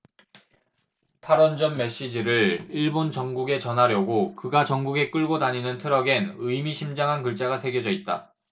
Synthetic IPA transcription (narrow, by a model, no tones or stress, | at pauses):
tʰaɾʌnd͡ʑʌnme̞ɕ͈id͡ʑiɾɯɭiɭbont͡ɕʌŋɡuɡe̞t͡ɕʌnɦaɾjʌɡokɯɡat͡ɕʌŋɡuɡe̞k͈ɯɭɡodaɲinɯntʰɯɾʌɡe̞nɯjmiɕʰimd͡ʑaŋɦankɯɭt͡ɕ͈aɡasʰe̞ɡjod͡ʑʌit̚t͈a̰